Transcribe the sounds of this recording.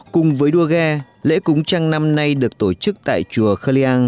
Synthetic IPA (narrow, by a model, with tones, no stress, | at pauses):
kʊ˨˩ŋ͡mvəː˨˦jɗu˧əɣɛː˧ | lḛ˧˥kʊ˨˦ŋ͡mt͡ɕa˧ŋna˧mna˧jɗɨ˨˩ək̚t̪o˧˩t͡ɕɨ˦˥k̚t̪a̰ː˧˨jt͡ɕu˨˩əxəː˧li˧ʔaː˧n